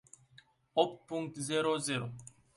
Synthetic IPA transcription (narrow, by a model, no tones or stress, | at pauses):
ɔppːũŋk̚tziɾoziɾo